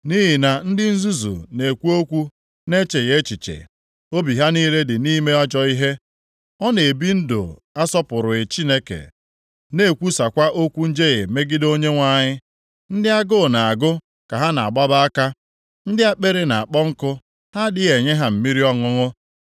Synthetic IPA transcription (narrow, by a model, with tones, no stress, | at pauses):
ni˦ɦi˨na˨n̩˦dɪ˦n̩˦zu˦zṵ˨ne˨kʷu˦o˦kʷu˦ | ne˦t͡ʃe˨ɣe˦t͡ʃi˨t͡ʃḛ˨ | o˦bi˨ɦa˦niː˦le˦dɪ˨niː˦me˦ɔ˦d͡ʒɔ˦i˦ɦe˦ | ɔ˦ne˨e˨bi˦n̩˦do̰˨ | a˦sɔ˦pʊ˨ɾʊ˨e˨t͡ʃi˦ne˦kḛ˨ | ne˦˨kʷu˦sa˨kʷa˦ʔo˦kʷu˦n̩˦d͡ʒe˦ɣe˨me˦ɡɪ˦do˦ɲe˦ŋʷa˨ɲɪ˦ | n̩˦dɪ˦a˦ɡʊ˦˨na˨a˨ɡʊ˦ | ka˨ɦa˦na˨a˨ɡ͡ba˦ba˦a˦ka˦ | n̩˦dɪ˦a˦k͡pe˦ɾe˦na˨a˨k͡pɔ˦ŋ̩˦kʊ˦ | ha˦dɪ˦e˨ɲe˦ɦa˨m̩˨mi˦ɾi˦ɔ˦ŋʊ˦ŋʊ˦